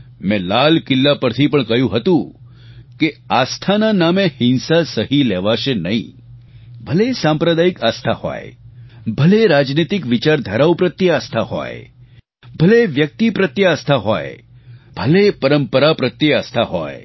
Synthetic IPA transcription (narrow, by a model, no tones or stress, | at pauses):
mɛ̃lalkɪlːapəɾt̪ʰipəɳkəɦjũɦət̪ũ | keast̪ʰananamehɪnsasəɦileʋaʃenəɦḭ̃ | bʱəlesãmpɾəd̪aikast̪ʰaho̰jbʱəleɾad͡ʒnit̪ikʋit͡ʃaɾd̪ʱəɾawpɾət̪jəast̪ʰaho̰j | bʱəleʋjək̚t̪ipɾət̪jəast̪ʰaɦo̰j | b̥ʱəlepəɾəmpəɾapɾət̪jəast̪ʰaɦo̰j